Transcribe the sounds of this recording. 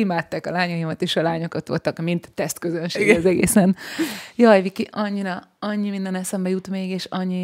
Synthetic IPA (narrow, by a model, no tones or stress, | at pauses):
imaːt̪ːaːkɒlaːɲɒjimɒt̪eːʃɒlaːɲo̞kot̪ʋolt̪ɒkmint̪ːɛst̪køzønʃeːɡɛzɛɡḛːsɛnjɒjvikiʔɒɲːiɾɒɒɲːimind̪ɛnɛsɛmbɛjut̪meːɡeːʃɒɲːi